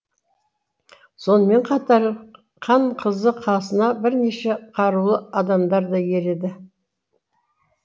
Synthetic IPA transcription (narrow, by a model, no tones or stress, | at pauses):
so̞nəme̞ɴqʰɑt̪ɑɾ | qʰɑɴqʰəzəqʰɑsənɑbɪɾne̞ʃe̞qʰɑɾulˠəɑd̪ɑmd̪ɑɾd̪ɑje̞ɾe̞d̪ɪ